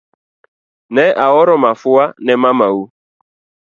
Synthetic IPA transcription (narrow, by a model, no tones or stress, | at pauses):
neʔaɣɔɾɔmafʊwanemamawu